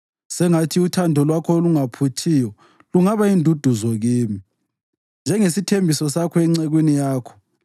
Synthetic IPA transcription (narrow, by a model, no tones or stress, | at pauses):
sɛŋatʰiutʰandʱɔlwakʰɔluŋapʰutʰijɔ | luŋaβaindʱud̥ʱuzɔɣiːmi | nd͡ʒʱɛŋesitʰembʱisɔsakʰɔɛŋ͡ǀeɣwinijaːkʰɔ̥